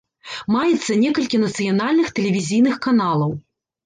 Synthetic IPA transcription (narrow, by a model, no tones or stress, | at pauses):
majɛt̪sːɐnʲɛkɐlʲkʲinɐt̪sɨjanalʲnɨxt̪ɛlʲɛvʲizʲijnɨxkanalˠɐw